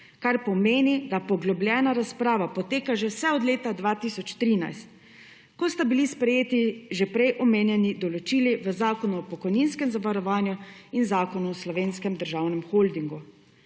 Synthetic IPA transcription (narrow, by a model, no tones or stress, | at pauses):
kaɾpɔmeːnid̪apɔɡlɔblʲjɛːnaɾaspɾaːʋapɔt̪eːkaʒɛwsɛɔd̪leːt̪ad̪ʋaːt̪isɔt͡ʃt̪ɾina̰jst̪ | kɔst̪abilispɾɛjeːt̪iʒɛpɾɛjʔɔmeːnjɛnid̪ɔlɔt͡ʃiːliʋəzaːkɔnuɔpɔkɔjninskɛmzaʋaɾɔʋaːnjuinzaːkɔnuɔslɔʋeːnskɛmd̪əɾʒawnɛmxold̪iŋɡu